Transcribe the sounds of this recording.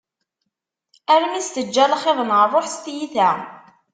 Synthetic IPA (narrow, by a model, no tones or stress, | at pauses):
æɾmæst̪əd͡ʒːælχeðˤəmʁəɾˤoħst̪jiθæ